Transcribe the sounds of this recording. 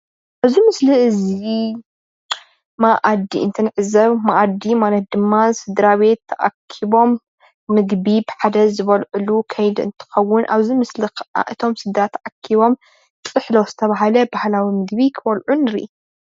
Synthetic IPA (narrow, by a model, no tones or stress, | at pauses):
ʔaβzimɨsliɨzi | maʔad̪ḭɨ̰nt̪ʰɨnɨʕɨzɐβmaʔad̪imanɐt̪̚d̪ɨmːasɨd̪ɾaβe̞t̪ʰːɐʔa̰kʰiβo̞mː | ɨɡbibɨħad̪ɐzzɨβɐlʕulukʰɐjd̪ɨ̰nt̪ʰɨ̥xɐwːʊnʔaβzimɨslixɐʔa̰ʔɨt̪ʰo̞msɨd̪ɾat̪ʰːɐʔakʰiβo̞m | sʼɨħloz̥ɨt̪ʰɐβaɦalɐbahlawimɨɡbikʰɨβɐlʕunɨɾiʔ